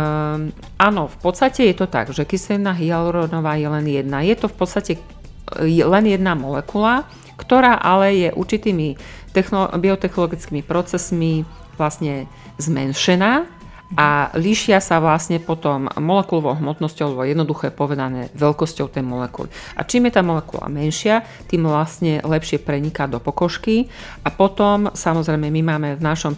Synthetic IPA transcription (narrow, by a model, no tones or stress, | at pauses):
ʔanɔfpɔt̪st̪acɛjɛt̪ɔt̪a̰ɡʒɛkisɛɛnaɦialɾɔnɔʋaːjɛlɛnjɛd̪najɛt̪ɔfpɔt̪st̪acɛ | jɛlɛnjɛd̪namɔlɛkula | kt̪ɔɾaːʔalɛjɛʔṵɾt͡ʃit̪iːmit̪ɛxnɔbiɔt̪ɛxnɔlɔɡit͡skiːmipɾɔt͡sɛsmi | ʋlasɲɛ | zmɛ̰nʃɛnaː | ʔaliʃɪasaʋlasɲɛpɔt̪ɔmːɔlɛkulɔʋɔʊɦmɔt̪nɔscɔʊlɛbɔjɛd̪nɔd̪uxɛpɔʋɛd̪anɛ̰ːʋɛlkɔscɔʊt̪ɛjmɔlɛkṵlḭʔa̰t͡ʃiːmjɛt̪aːmɔlɛkṵla̰mɛnʃɪa | t̪iːmʋlasɲɛlɛpʃɪɛpɾɛɲikad̪ɔpɔkɔʃki | ʔapɔt̪ɔmsamɔzɾɛjmɛmimaːmɛvnaʃɔm